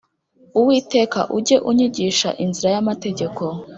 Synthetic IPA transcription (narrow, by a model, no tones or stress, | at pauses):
uwiːte̞ːka̰ʔuɟe̞ʔuɲiɟiːʃa̰ʔinziɾajamate̞ɟe̞ko̞